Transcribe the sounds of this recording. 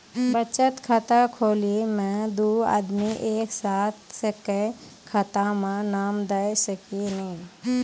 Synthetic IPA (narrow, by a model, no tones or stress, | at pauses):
bət͡ʃət̪kʰat̪akʰoːliemɛ̃d̪uːa̰ːd̪miʔeːksaːt̪̚ʰsekekʰat̪amãnaːmd̪ɐjsəkinɐɦĩː